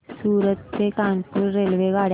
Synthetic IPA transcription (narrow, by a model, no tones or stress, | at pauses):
suːɾət̪ːekanpuɾːelʋeɡaɽ